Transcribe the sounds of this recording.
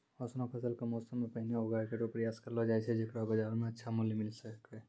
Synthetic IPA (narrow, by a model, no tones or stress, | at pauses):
ɔsnapʰɐsəlkemɔːsəmːẽpɐɦineɦoɡakeʈopɾɐjaːskɐɾlod͡ʒaːɛt͡ʃʰed͡ʒekɾabɐd͡ʒaːɾmẽɐtːʃʰamʊljimɪlsəke